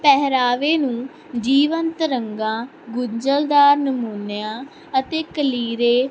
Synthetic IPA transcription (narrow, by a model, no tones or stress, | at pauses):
pɛɦɾaːʋeːnũː | d͡ʒiːʋənt̪ɾəŋɡãː | ɡʊɲd͡ʒəld̪aːɾnəmuːnjãː | ət̪eːkəliːɾeː